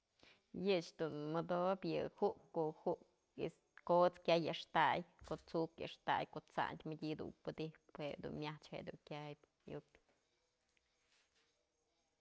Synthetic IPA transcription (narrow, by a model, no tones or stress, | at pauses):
jɨt͡ʃd̪unmɨd̪objɨhuʔkkohuʔk | is | kot͡skʲajɨʔʂt̪ajkoʔt͡sukjɨ̰ʂt̪a̰jkoʔt͡sa̰ʔnt̪ʲmɨdʲid̪ṵnpɨd̪ihphed̪ṵnmʲaht͡ʃhḛʔd̪ṵŋkʲajp | jṵk